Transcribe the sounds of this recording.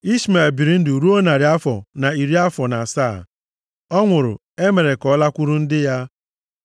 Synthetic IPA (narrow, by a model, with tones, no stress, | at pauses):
i˦sma˨bi˨ɾi˦n̩˦dɪ˨u˨ɾu˦o˦na˨ɾɪ˨˦a˦fɔ̰˨na˨i˨ɾi˦a˦fɔ˨na˨saː˦˨ | ɔ˦ŋʷʊ˨ɾʊ̰˨ | e˦me˨ɾe˨kɔ˨˦la˦kʷu˦ɾu˦n̩˦dɪ˦ja˦